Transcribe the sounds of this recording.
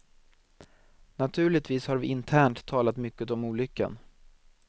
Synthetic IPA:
nat̪ʰʉ̟ːɭɪt̪viːshaɾvɪʔɪnt̪ʰæːɳʈt̪ʰːɑːlat̪mʏkːət̪ɔmuːlʏkːə̰n

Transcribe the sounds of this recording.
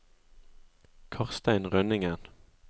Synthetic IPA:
kʰɑʁst̪æɪnʁœnɪŋən

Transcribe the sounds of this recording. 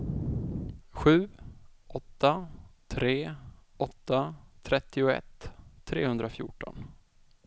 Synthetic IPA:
ɧʉ̟ːʔɔt̪ʰːat̪ʰɾeːɔt̪ːat̪ʰɾɛt̪ʰːɪʊɛ̰t̪ʰːɾeːhɵnd̪ɾafjʊ̰ːʈɔ̰n

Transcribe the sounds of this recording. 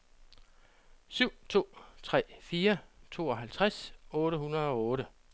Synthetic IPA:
syʊ̰t͡sʰo̝̰ːt͡sʰʁɛ̰ːfiːɐt͡sʰo̝̰ːɒ̽ɦælt͡sʰʁasɔ̽ːɾəhunɐð̩ˠɒ̽ɔ̽ːɾə

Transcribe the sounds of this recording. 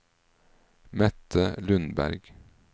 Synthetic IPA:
mɛt̪ʰəlʉnbæ̰ɾɡ

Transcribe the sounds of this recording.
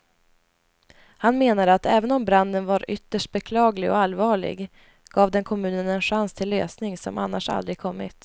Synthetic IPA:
hanmeːnad̪əat̪ɛːvənɔmbɾand̪ənvaɾʏt̪ːəʂʈ̚bɛkʰlɑːɡlɪɡɔ̰alːvɑːɭɪ̰ɡ | ɡ̥ɑːvd̪ɛnkʰɔmʉ̟ːnənɛnɧanst̪ʰɪlːøːsnɪŋsɔ̰mʔa̰nːaʂa̰ld̪ɾɪɡ̚kʰɔmːɪ̰t̪

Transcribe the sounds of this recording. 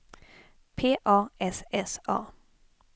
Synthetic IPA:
pʰeːʔɑːɛsɛsɑ̰ː

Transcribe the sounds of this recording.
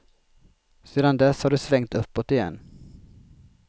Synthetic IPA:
seːd̪and̪ɛshaɖɵsvɛŋt̪ɵpːɔt̪ɪjɛ̰nː

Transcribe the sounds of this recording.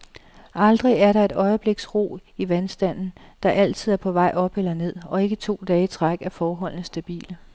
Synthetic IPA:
ʔɑ̈ld̥ʁiæɐɾɑ̈e̝dɾɒ̽ɪəb̥le̝ɡ̥sʁo̝̰ːiʋænsd̥æn̰n̩d̥ɑ̈ʔæl̰t͡sʰið̞̰ˠæɐpʰɒ̽ʋɑ̈ɪ̰ʔɒ̽b̥elɐne̝ð̞̰ˠɒ̽e̝ɡ̥ət͡sʰo̝̰ːd̥ɛːət͡sʰʁaɡ̥æɐfɒːɦɒ̽l̰n̩sd̥æb̥ḭːlə

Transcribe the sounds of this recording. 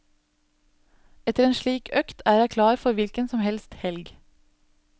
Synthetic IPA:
ɛt̪əɾeːnʃliːkœkt̪ʰæːɾhæɪkʰlɑːɾfɔɾʋɪlkənsɔmhɛlst̪hɛlɡ

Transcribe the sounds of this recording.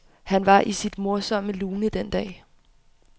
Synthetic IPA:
hænʋɑ̈ʔisid̥mo̝ɐsɒ̽məluːnəd̥end̥ɛ̰ː

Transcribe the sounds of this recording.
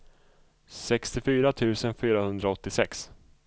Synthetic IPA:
sɛkst̪ɪfyːɾat̪ʰʉ̟ːsənfyːɾahɵnd̪ɾaɔt̪ːɪsɛks

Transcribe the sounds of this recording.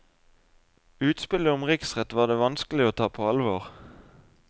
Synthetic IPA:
ʉːt̪spɪləʊmʁɪksʁɛt̪ʋɑːd̪eːʋɑnskəlɪoːt̪ʰɑːpʰoːɑlʋoːʁ

